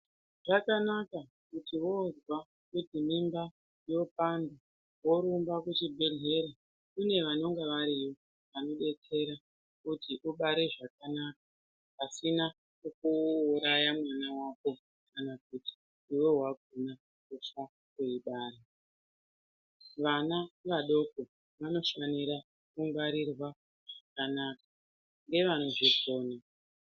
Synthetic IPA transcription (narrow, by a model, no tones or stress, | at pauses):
ʐ̥akanaka | kutiwo̞zwa | kutimimba | jo̞pando | wo̞ɾumbakut͡ʃibʱe̞ɮe̞ɾa | kune̞ʋano̞ŋɡeʋaɾijo̞ | ʋano̞ɗe̞t͡se̞ɾa | kutiʔuɓaɾe̞ʐakanaka | asina | ukuːɾajamwanawako̞ | kanak̚uti̥ | iwe̞ɦwaɡ̚ʱona | kufa | keiɓaːɾe | ʋanaʋaɗo̞ko̞ | ʋano̞faniɾa | kuŋɡwaɾirwa | ʐ̥akanaːkḁ | ŋɡe̞ʋano̞ʐiko̞ːna